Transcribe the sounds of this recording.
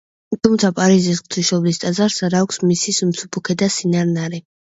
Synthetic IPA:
t̪ʰumt̪sʰapʼaɾizisχʼt̪ʰiʃɔblist̪ʼazaɾsaɾaːkʷʰsmisismt̪sʰupʰukʰɛd̪asinaɾnaɾɛ

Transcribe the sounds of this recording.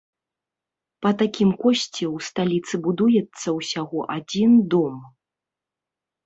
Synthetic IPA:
pɐt̪akʲimkɔsʲt͡sʲɛwst̪alʲit̪sɨbud̪ujɛt̪sːɐwsʲaɣɔʔad͡zʲind̪ɔm

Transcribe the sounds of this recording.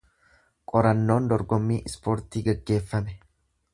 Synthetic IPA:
kʼɔɾɐnːo̞ːnd̪ɔɾɡɔmːiːʔɪspoːɾt̪iːɡɐɡːe̞ːfːɐmɛ

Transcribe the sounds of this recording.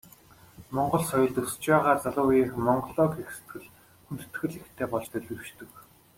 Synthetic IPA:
mɔɴɢɞ̆ɮsɔjʊ̆ɮt̪ɵst͡ɕpaːʁaːt͡saɮʊːjiːxmɔɴɢɞɮɔːkexse̥t̪ɡɘ̆ɮ | xunt̪ɘ̥̆t̪xɘ̆ɮixt̪ʰeːpɔɮt͡ɕt̪ʰɵɮʲɘ̆rwʃt̪ɵ̆k

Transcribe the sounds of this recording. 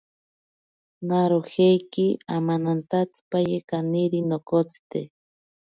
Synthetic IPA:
naɾoxejkiamanant̪at͡spajekaniɾinokot͡st̪e

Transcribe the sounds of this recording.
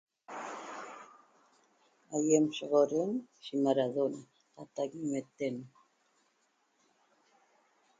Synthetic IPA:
ajemʃeʁoɾensimaɾaðona | at̪aɡimet̪en

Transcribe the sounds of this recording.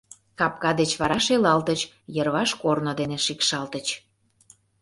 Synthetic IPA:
kɑp̚kɑd̪et͡ɕβɑɾɑʃelɑlt̪ət͡ɕ | jərβɑʃkornod̪eneʃikʃɑlt̪ət͡ɕ

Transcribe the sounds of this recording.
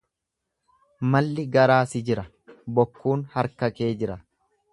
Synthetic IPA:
mɐlːɪɡɐɾaːsɪd͡ʒɪɾɐ | bɔkʰːuːnhɐɾkɐke̞ːd͡ʒɪɾɐ

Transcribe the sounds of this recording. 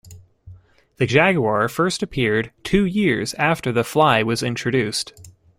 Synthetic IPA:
ðɨd͡ʒæɡuɑɹfɜ˞stɨpʰɪɹd̚tʰʉjɪɹzæftə˞ðəflaɪwʌzɪ̃nt͡ʃɹ̥ɨdʉst

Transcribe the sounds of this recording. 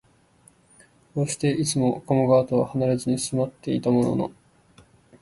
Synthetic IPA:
koːɕi̥t̪e̞it͡sɨmo̞ko̞moɡaːt̪o̞βahanaɾezɨɲ̟isɨmat̪ːe̞it̪amo̞no̰no̞̰

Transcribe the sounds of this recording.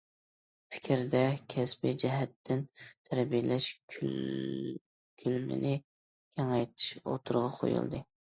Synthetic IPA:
pʰɪ̥kʲʰɾd̪ɛkʲʰɛsbɪd͡ʒɛɦɛt̪ʰːɪnt̪ʰæɾbijɪlɛʃʰ | kʲʰylmɪ̰nɪ | kʲʰɛŋɑjt̪ʰɪ̥ʃo̰t̪ʰuɾʁɑqʰo̰jṵlˠd̪ɨ

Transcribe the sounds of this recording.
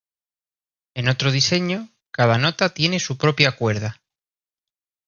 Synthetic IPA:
e̞no̞t̪ɾo̞ð̞ise̞ɲo | kað̞ano̞t̪at̪je̞ne̞supɾo̞pjakwe̞ɾða

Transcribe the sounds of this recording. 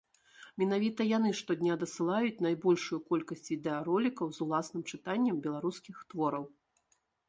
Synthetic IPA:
mʲɛnavʲit̪ɐjanɨʂt̪ɔd̪ʲnʲad̪ɐsɨlˠajut͡sʲn̪ajbɔlʲʂujukɔlʲkɐsʲt͡sʲid̪ɛaɾɔlʲikɐwzulˠasn̪ɨmt͡ʂɨt̪anʲːɐmbʲɛlˠaɾuskʲixt̪vɔɾɐw

